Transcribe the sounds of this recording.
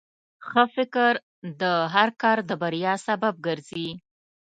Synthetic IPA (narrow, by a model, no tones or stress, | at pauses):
xəfɪkɾ | d̪əɦaɾkɑɾd̪əbaɾjɑsabab̚ɡəɾzi